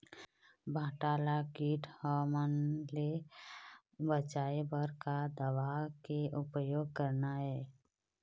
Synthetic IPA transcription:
bʱaːʈaːlakiːʈhɔːmənle | bət͡ʃaːebəɾkad̪əʋakeʔʊpəjoːɡ̚kəɾnaɦɛː

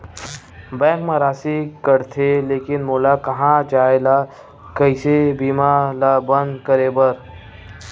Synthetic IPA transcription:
bɛ̃ːkmẽɾaːsikəɾt̪ʰeleːkɪnmoːlakɐɦãt͡ʃaːela | kəɪsebiːmalabə̃nd̪kəɾebəɾ

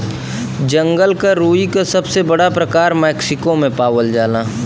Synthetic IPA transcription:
d͡ʒɐ̃ŋɡəlkaɾuːikasɐbsebɐɽapɾɐkaːɾmɛːksɪkomẽpaːwəld͡ʒaːlaː

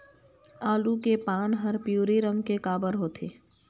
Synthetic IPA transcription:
aːlukepaːnɦəɾpjuːɾiɾə̃ŋɡkekaːbəɾɦoːt̪ʰḛː

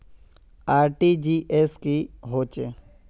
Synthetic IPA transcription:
aːɾʈiːd͡ʒiːʔeːskiɦoːt͡ʃeː

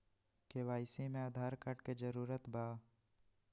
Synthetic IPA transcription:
keʋaːɪsimẽad̪ʱaːɾkəʈked͡ʒəɾuːɾət̪baː

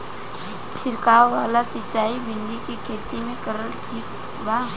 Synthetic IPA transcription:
ʃʰɪɾkaːwːaːlasɪt͡ʃːaːibɪ̃nd̪ikikʰeːt̪imẽkəɾəlʈʰiːk | baː

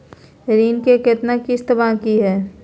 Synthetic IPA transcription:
ɾiːnkeket̪nakist̪əbakiɦɛː

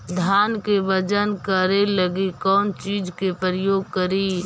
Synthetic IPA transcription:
d̪ʱaːnkebəd͡ʒənkəɾeləɡikɔːnt͡ʃiːd͡ʒkepɾəjoːɡ̚kəɾi

